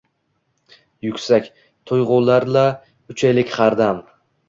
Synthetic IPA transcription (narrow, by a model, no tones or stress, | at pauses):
jʊkʲsakʲ | t̪ʰʊjʁʊlaɾla | ʊt͡ʃʰajlɪkʲχaɾd̪am